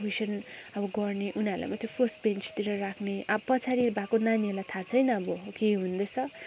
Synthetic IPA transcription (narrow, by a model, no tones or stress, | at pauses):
bisʌn | ʌbʌɡʌrneʔunaɾla̰jmat̪ʰjopʰʌsʈbent͡st̪iɾʌrakʰneʔʌbʌpʌt͡sʰaɾibʱakonaniʌlat̪ʰat͡sʰʌjnʌːbʌkeɦund̪ʌt͡sʰʌ